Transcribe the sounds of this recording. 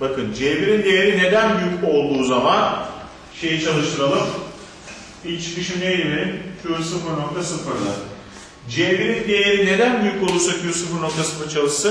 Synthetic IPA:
bakʰɯnd͡ʒeːbiɾind̪ejeɾine̞d̪ænbyjyco̞lˠd̪uːzaman | ʃe̞jɛt͡ʃʰalˠɯʃt̪ʰɯɾalˠɯm | ilʲt͡ʃʰkiʃinejiɾint͡ʃʰuɾɯsɯfɯɾno̞k̚t̪ʰasɯfɯɾlˠa̰ | d͡ʒeːbiɾind̪ejeɾine̞d̪ænbyjykolˠuɾsakyosunbuno̞k̚t̪ʰasɯmat͡ʃʰalˠɯʃsɯn

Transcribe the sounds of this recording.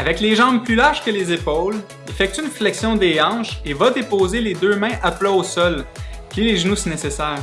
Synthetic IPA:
avɛkleʒɑ̃ːb̚plylaʁʒ̥kəlezepɔl | iefɛk̚t̪yynflɛksjɔ̃d̪eɑ̃ːʒevad̪epoːzeled̪øːmɛ̃ʔaplaosɔlpiileʒnusinesesɛːʁ

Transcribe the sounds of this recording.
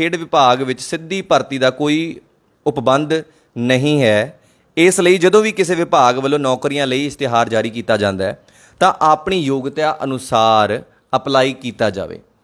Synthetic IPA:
kʰeːɖʋɪpaːɡʋɪt͡ʃsɪd̪ːiːpəɾt̪iːd̪aːkoːiː | ʊpbənd̪ | nəɦĩːɦɛː | ɪsləiːd͡ʒəd̪õːʋiːkɪseːʋɪpaːɡʋəlːõːnɔːkɾijãːləiːɪst̪eːɦaːɾd͡ʒaːɾiːkiːt̪aːd͡ʒãːnd̪aːɛː | t̪ãːʔaːpɳiːjoːɡt̪aːʔənʊsaːɾ | əplaːiːkiːt̪aːd͡ʒa̰ːʋḛː

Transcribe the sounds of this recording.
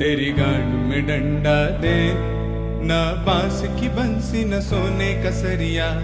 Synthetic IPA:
t̪eːɾiɡaːɳumẽɖɐɳɖaːd̪eː | nɐbãːsikibɐnsinɐsoːneːkɐsɐɾijaː

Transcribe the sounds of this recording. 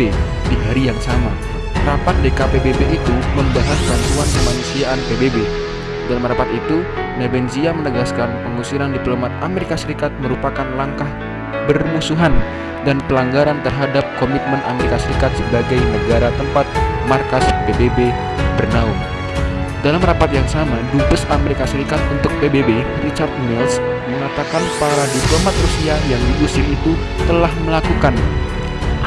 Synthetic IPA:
e | diɦaɾijaŋsama | ɾapat̪̚dekapebebeit̪uməmbaɦasbant̪uankəmanusiaʔːnpebebe | danməɾapat̪it̪u | nebɛnziamənəɡaskanpəŋusiɾandiplomat̪̚a̰meɾikasəɾikat̪̚məɾupakanlaŋkah | bərmusuɦan | danpəlaŋɡaɾant̪ərɦadap̚komit̪̚mənameɾikasəɾikat̪̚səbaɡajnəɡaɾat̪əmpat̪̚markaspebebe | bərnaʊ | dalamrapat̪̚jaŋsamadupʊsameɾikasəɾikat̪̚unt̪ʊk̚pebebe | rit͡ʃart̪̚mils | məŋat̪akanpaɾadiplomat̪̚rusiajaŋdidusiit̪u | t̪əlahməlakukan

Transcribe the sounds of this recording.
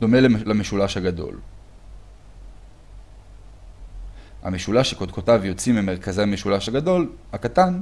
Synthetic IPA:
d̥o̞me̞llameʃulaʃhaɡado̞̰l | ha̰meʃulaʃekod̪̚kotavjo̞t͡simemeʁkazejameʃulaʃhaɡado̞lhakat̪an

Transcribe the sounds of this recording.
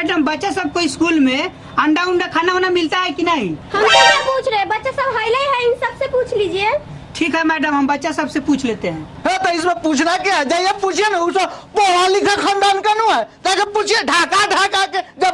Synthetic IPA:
mɛɖəmbətːʃasəb̚koiskulme | əɳɖaunːakʰananamilt̪aɦɛkinaɦihəmseaput͡ʃʰɾɛɛ̃bətːʃasəbɦajlajɦəsəbseput͡ʃʰlid͡ʒie | ʈʰikɦɛmɛɖəmɦəmbətːʃasəbsẽput͡ʃʰlet̪eɦɛ̃ | ɦẽt̪ɔismeput͡ʃʰnakeɛd͡ʒaijeput͡ʃʰenausəbpoɽalikʰekʰəɳɖankenuɛkakeput͡ʃʰeɖʱakaɖʱakaked͡ʒəb

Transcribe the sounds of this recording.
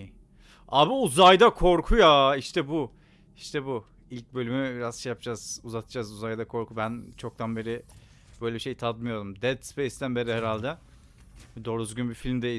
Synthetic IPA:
aːbiuzajd̪akʰo̞ɾkʰujaiʃt̪ʰɛbu | iʃt̪ʰɛbu | ilʲc̚bø̞lʲymybiɾazʃejap̚ʰd͡ʒaz̥uzat̪ʰɯd͡ʒazuzajd̪akʰo̞ɾkʰubænt͡ʃʰo̞k̚t̪ʰanbe̞ɾɪ | b̥ø̞jlʲebiʃejt̪ʰad̪mɯjo̞d̪umd̪ɛd̪spejsd̪ænbe̞ɾɪheɾalʲd̪ɛ | d̪o̞ːɾyzɡʲynbifilʲmd̪ei

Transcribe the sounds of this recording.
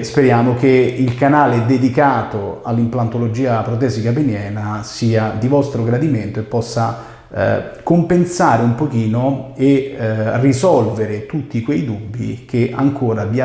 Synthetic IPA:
speɾjaːmokeilkanaːlɪd̪ed̪ikaːt̪oa̰lːimplant̪olod͡ʒiːapɾot̪̬ɛːzikabenjɛːnasiːad̪ivɔst̪ɾoɡɾad̪iment̪oepːɔsːa̰ | kompensaːɾeumpok̟iːnoerizɔlveɾet̪ut̪ːikwejd̪ubːḭkeʔa̰ŋkoːɾavia

